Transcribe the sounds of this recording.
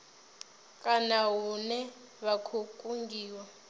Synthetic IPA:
kʼanaɦunɛ | βakʰukʼuŋɡiːwa

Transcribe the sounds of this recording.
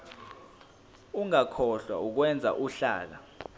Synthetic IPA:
uŋakʰɔɬwa̰uk̬wɛnd͡zʱa̰ʔuɬa̰ːl̬a

